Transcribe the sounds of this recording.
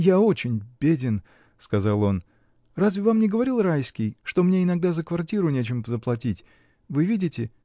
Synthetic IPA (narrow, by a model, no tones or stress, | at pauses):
jao̞t͡ɕɪnʲbʲedʲɪn | skɐzalˠo̞n | razvʲɪvamnʲɪɡəvɐɾʲilˠrajskʲɪjʂt̪o̞mnʲeɪnɐɡ̚d̪azəkvɐrtʲiɾʊnʲet͡ɕɪmzəplˠɐtʲitʲ | vɨvʲidʲɪtʲɪ